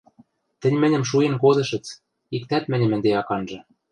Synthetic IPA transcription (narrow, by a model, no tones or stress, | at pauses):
t̪ɘ̆nʲmɘ̆nʲɘ̆mʃ̬uenkozɤ̆ʃɘ̆t͡s | ikt̪æt̪mɘ̆nʲɘ̆mɘ̆nd̪eɑkɑnʒɤ̆